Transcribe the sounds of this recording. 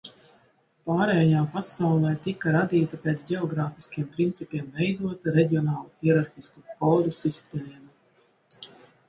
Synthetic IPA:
paːɾɛjjaːpasawlˠɛːt̪ikaɾad̪iːt̪apʲet̪sɟʲɛɔɡɾaːfi̥skʲiɛmpɾint̪sʲipiɛmvɛjd̪uɔt̪aɾɛɟʲiɔnaːlˠuxiɛɾaɾxiskukɔːd̪usisp̪ʲɛɾiːm

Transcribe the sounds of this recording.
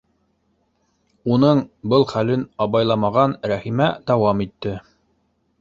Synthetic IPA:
unɤɴbɤlˠχælɘnɑβɑjlˠɑmɑʁɑnɾæχimæd̪ɑwɑmit̪ːɘ

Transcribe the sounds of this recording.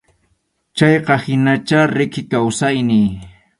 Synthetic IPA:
t͡ʃɑjqɑhɪnat͡ʃaɾɪkɪkawsajnɪj

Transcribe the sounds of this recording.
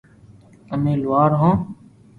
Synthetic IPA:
əmẽːlʊʋaːɾɦõː

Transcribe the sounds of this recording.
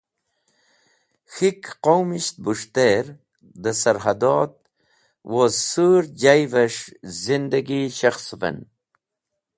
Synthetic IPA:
xikqowmiʃt̪̚buʂt̪eɾ | d̪əsɐɾɦad̪ɔːt̪̚ | wozsuɾd͡ʑajvɐʂzind̪ɐɡiʃaxsvḛn

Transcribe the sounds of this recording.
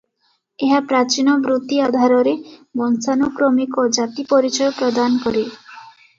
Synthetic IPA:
eɦapɾat͡ʃinɔbɾut̪iad̪ʱaɾɔɾebɔnsanokɾɔmikod͡ʒat̪ipɔɾit͡ʃɔjɔpɾɔd̪anɔkɔɾe

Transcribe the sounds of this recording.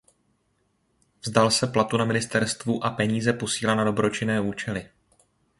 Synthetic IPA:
vzdalsɛplat̪unamɪnɪst̪ɛɾst̪vuʔapɛɲiːzɛpo̞siːlanado̞bɾo̞t͡ʃɪnɛːuːt͡ʃɛlɪ

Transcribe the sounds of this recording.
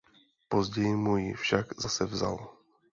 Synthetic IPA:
pozɟɛjɪmujɪ̰fʃaɡzasɛvza̰l

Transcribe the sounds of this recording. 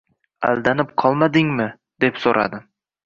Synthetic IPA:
a̰lˠd̪anɪp̚qʰɒlˠmad̪ɪŋmɪ | d̪̥e̞psoɾʔa̰d̪ɪ

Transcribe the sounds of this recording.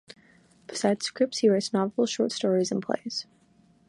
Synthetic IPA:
b̥ɨ̥saɪd̥z̥skɹɪp̚tshiɹaɪtsnɑvl̩ˠʃɔɹtstɔɹiz̃n̩pʰl̥ḛɪz̥

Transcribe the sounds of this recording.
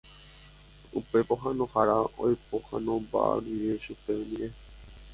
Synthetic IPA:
upe̞poɦãnõhaɾao̰jpohã̰nõba̰ɾiɾeʃupeomĩɾe

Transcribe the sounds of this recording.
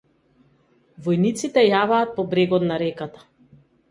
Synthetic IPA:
vɔjnit̪sit̪ɛjavaːt̪̚pɔbɾɛɡɔt̪naɾɛkat̪ḁ

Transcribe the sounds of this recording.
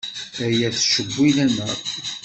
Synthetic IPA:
æjæθʃəbʷːilænəʁ

